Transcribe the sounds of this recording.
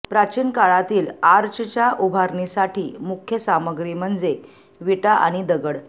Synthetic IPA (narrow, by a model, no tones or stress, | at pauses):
pɾat͡ɕiːnkaɭat̪iːlaɾt͡ɕt͡ɕjaʔubʱaɾɳisaʈʰiːmukʰjəsaməɡɾiməɳd͡ze | ʋiʈaʔa̰ɽ̃id̪əɡəɽ